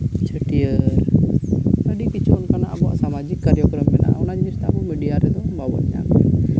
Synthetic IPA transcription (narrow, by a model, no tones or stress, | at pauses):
t͡ʃʰəʈijəɾ | t̪aɖikit͡ʃɔnkana̰ʔabɔa̰ʔsamad͡ʒikːaɾɛjɔɡɾəmbɛna̰ʔɔnad͡ʒɲist̪abɔmɛɖijaɾɛd̪ɔbawɔt̪ɲa̰kɛ